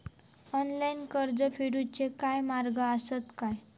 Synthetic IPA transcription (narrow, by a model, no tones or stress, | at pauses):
ɔnlainkəɾd͡zəfiɽut͡ɕekajmaɾɡəəsət̪kaj